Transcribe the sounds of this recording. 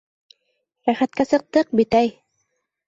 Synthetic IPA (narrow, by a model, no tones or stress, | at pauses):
ɾæχæt̪̚kæsɤ̆q̚t̪ɤq̚bit̪æj